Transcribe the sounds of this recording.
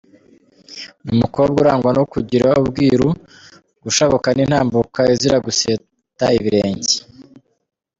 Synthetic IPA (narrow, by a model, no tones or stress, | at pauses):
nimukoβob̚ɡuɾaːŋɡwanokuɟiɾaubɡiːɾu | ɡ̥uʃaβokaninhaːmbukaiziɾaɡuse | taiβiɾe̞ːɲɟi